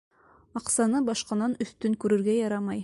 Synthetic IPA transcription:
ɑqsɑnɤbɑʃqɑnɑnɵ̆θt̪ɵŋkʉɾɘ̆ɾɡæjɑɾɑmɑj

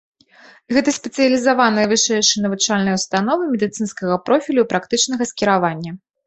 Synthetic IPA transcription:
ɣɛt̪ɐsʲpʲɛt̪sɨjɐlʲizavanɐjɐvɨʂɛjʂɨjnɐvɨt͡ʂalʲnɐjwst̪an̪ɔvɨmʲɛd̪ɨt̪sɨnskɐɣɐpɾɔfʲilʲupɾakt̪ɨt͡ʂnɐɣɐskʲiɾavanʲːɐ

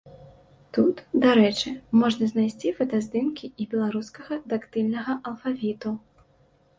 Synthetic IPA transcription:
t̪ut̪d̪aɾɛt͡ʂɨmɔʐnɐzʲnajsʲt͡sʲifɐt̪azʲd̪ɨmkʲiʔibʲɛlˠaɾuskɐɣɐd̪akt̪ɨlʲnɐɣɐʔɐlˠfavʲit̪u

